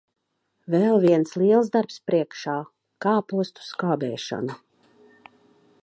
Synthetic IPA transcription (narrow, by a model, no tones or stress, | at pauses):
vɛlˠviɛnslˠiɛlˠzd̪aɾpspɾiɛkʃaː | kaːpuɔst̪u̥skaːbɛːʃɔ̰nu